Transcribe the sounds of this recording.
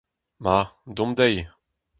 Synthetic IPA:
mad̪ɔ̃md̪ɛj

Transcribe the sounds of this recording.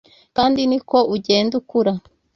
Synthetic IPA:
kaːndiniko̞ʔuɟe̞ːndukuɾa

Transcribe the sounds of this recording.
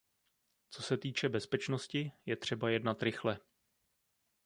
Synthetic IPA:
t͡so̞sɛt̪iːt͡ʃɛbɛspɛt͡ʃno̞scɪjɛt̪r̝̥ɛbajɛdnat̪ɾɪxlɛ

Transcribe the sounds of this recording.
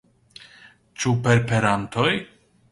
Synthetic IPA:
t͡ʃupeɾpeɾant̪oj

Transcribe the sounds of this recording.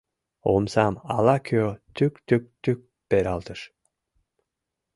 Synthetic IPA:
o̰msɑmɑlˠɑkʰot̪ykt̪yk̚t̪yk̚ | peɾɑlˠt̪ɤʃ

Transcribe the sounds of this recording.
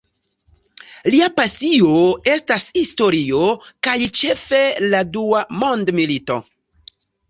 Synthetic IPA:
liapasio̞e̞stashisto̞ɾio̞kajt͡ʃe̞fe̞laduamo̞ndmilito̞̰

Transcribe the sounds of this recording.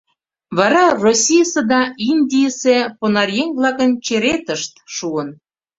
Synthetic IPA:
βɑɾɑrosʲijsĕd̪ɑind̪ʲijseponɑrjeŋvlˠɑkənt͡ɕeɾet̪əʃt̪ʃuən

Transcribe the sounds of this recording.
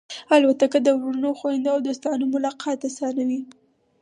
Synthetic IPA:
albat̪akəd̪əwɾuunəjxoɪnd̪aawd̪ost̪ɑnomʊlɑqʰɑt̪asɑnawi

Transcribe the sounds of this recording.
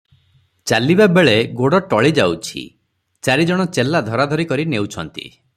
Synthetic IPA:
t͡ʃalibabeɭeɡoɽɔʈɔɭid͡ʒawt͡ʃʰḭ | t͡ʃaɾid͡ʒɔɽ̃ɔt͡ʃelːad̪ʱɔɾad̪ʱɔɾikɔɾinewt͡ʃʰɔnt̪ḭ

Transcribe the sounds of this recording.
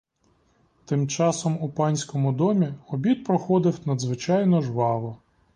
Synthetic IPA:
t̪ɪmt͡ʃɑsɔmupɑnʲsʲkɔmʊd̪ɔmʲiɔbʲit̪̚pɾɔxɔd̪ɪwnɐd̪zʋɪt͡ʃɑjnɔʒʋɑʋɔ

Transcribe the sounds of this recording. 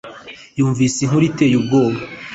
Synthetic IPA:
juːɱvisiŋ̥uɾite̞ːjub̚ɡo̞ːβa

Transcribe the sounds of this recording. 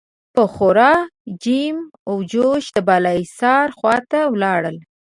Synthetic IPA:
pəxoɾɑd͡ʒimawd͡ʒoʃd̪əbalɑjsɑɾxwɑt̪awlɑɽəl

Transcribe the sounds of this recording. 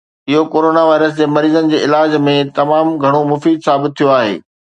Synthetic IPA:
ɪɦokoːɾoːnaʋaːɪɾəsd͡ʑeːmɐɾiːzənɪ̆d͡ʑeːɪlaːd͡ʑmẽt̪ɐmaːmɡʱɐɽ̃omʊfiːd̪saːbɪt̪̚ʰːijoaːɦḛː

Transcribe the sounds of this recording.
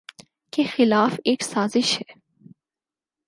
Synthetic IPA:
kexɪlaːfeːksaːzɪʃhe

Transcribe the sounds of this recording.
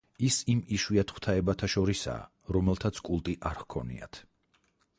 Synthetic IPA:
isimiʃwiat̪ʰχwt̪ʰaɛbat̪ʰaʃɔɾisa̰ː | ɾɔmɛlˠt̪ʰat̪sʰkʼulˠt̪ʼiʔaɾhkʰɔ̰nḭa̰t̪ʰ

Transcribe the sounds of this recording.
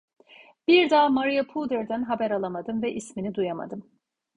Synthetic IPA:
b̥iɾd̪aːmaɾijapʰulˠd̪ɛɾd̪ænɦabæɾalˠamad̪ɯmvɛʔisminid̪ujama̰d̪ɯm

